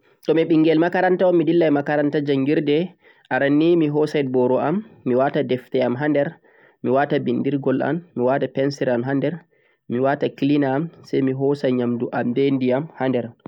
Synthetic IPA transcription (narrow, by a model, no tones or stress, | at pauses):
tɔmiɓiŋɡɛlmakaɾantaɔmːidilːajmakaɾantad͡ʒaŋɡiɾdɛ | ʔaɾanːimiɦɔsajbɔɾɔʔamːiwatadɛftɛamɦandɛɾ | miwatabindiɾɡɔla̰mːiwatapɛnsɛɾamɦandɛɾ | miwataklinaːmsajmiɦɔsajɲamduʔambendiamhandɛɾ